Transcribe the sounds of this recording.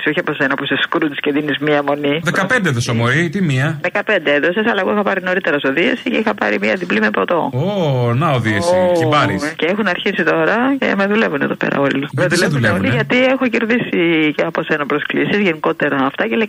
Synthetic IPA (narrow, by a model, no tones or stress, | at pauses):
sioçiɐposenɐpuseskɾut̪sceðinizmiɐmo̞niðekɐpend̪eðosomoɾit̪imiɐðekɐpend̪eeðo̞sesɐlɐɣoixɐpɐɾino̞ɾit̪e̞ɾɐsoðiɐsiceixɐpɐ̰ɾḭmiɐðiblimepɾot̪o̞onɐoðiesiibɐɾiceexunɐɾçisit̪o̞ɾɐce̞̰meðulevuneðo̞pḛɾɐ̰o̞limeðulevunleoliʝɐt̪iexoceɾðisiceɐposenɐpɾo̞sklisizʝeniko̞t̪e̞ɾɐːft̪ɐcele